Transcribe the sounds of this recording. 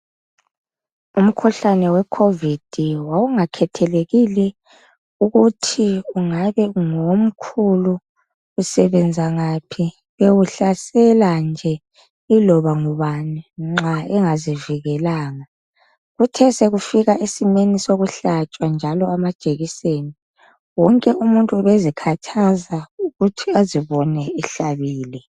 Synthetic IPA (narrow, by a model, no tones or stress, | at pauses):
um̩kʰuɬanɛwɛkʰovid̥ʱiwauŋakʰɛtʰɛleɣilɛ | uɣutʰiuŋaβɛŋom̩kʰuluː | sɛβɛnd͡zʱaŋapʰi | βewuɬasɛland͡ʒʱɛ | ilɔβaŋɔβaniŋ͡ǁaɛŋaziviɣɛlaːŋa | ɣutʰɛseɣufiɣaʔesimenisoɣuɬat͡ʃʼwand͡ʒʱalɔamad̥ʒ̥ʼeɣiseːni | wɔŋkʼɛʔumuntʼuβezikʰatʰazauɣutʰiaziβɔnɛɛɬaβiːlɛ